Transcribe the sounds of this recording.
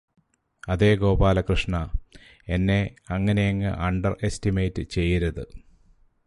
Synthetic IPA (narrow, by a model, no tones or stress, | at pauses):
ɐðe̞ːɡo̞ːbaːlɐkrɨʂɳɐ | e̞nːe̞ɐŋːɐnejɐŋːɨ̰ʔɐɳɖɐre̞stimejtːɨt͡ɕe̞jːɐɾɐðɨ